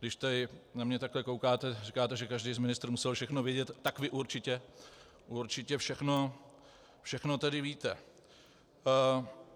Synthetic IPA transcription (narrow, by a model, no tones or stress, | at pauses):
ɡdɪʃt̪ɛdɪnamɲɛt̪aklɛkowkaːt̪ɛrikaːt̪ɛʒɛkaʒdijzmɪnɪst̪ɾ̩musɛlfʃɛxnovjɛɟɛt̪ːakvɪʔuɾt͡ʃɪcɛ | ʔuɾt͡ʃɪcɛfʃɛxno̞ | fʃɛxno̞t̪ɛdɪviːt̪ɛ